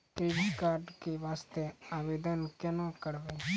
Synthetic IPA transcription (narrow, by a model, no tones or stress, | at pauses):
kɾeːbikaːɾɖkeʋaːst̪eaːʋeːd̪ənkɛnõkəɾʋeː